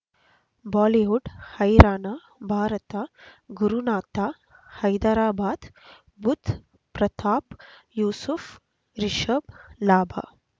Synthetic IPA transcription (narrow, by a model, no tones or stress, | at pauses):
baːliʋuɖhɐjɾaːnaː | bʱaːɾɐt̪aɡuɾunaːt̪aː | hɐjd̪aɾaːbaːd̪ | bud̪ | pɾɐt̪ʰaːpjuːsuf | ɾiʃəblaːbʱa̰ː